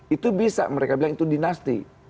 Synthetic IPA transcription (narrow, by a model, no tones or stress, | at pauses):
it̪ubisa̰məɾekabilaŋit̪udinast̪ḭ